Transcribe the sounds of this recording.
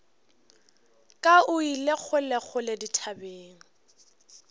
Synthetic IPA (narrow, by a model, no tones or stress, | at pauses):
kʼaʊilek͡xʰʊlek͡xʰʊleditʰabeːŋ̩